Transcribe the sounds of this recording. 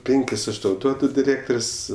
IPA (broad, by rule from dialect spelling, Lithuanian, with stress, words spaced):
ˈpʲɪŋʲkʲɪs ˈɐʃ ˈtɐʊ ˈduɔdʊ dʲɪˈrʲeːktoːrʲsʲ